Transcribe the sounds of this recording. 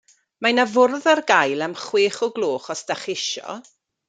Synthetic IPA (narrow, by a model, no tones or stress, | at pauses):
manavʊrðarɡajlˠamχweːχɔɡlˠoːχɔsd̥aχɪʃɔ̰